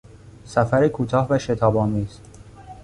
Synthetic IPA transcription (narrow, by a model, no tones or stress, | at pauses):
sæfæɾikʰuːt̪ʰɒːhvæʃe̞t̪ʰɒːbɒːmiːz̥